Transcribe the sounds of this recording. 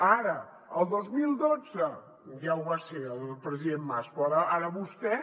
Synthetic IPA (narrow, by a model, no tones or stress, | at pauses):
aɾə | əlˠd̪ozmilˠd̪od͡zə | ʒawβaseəlˠpɾəziðemːaspɾɔɾɔaɾəβust̪ɛ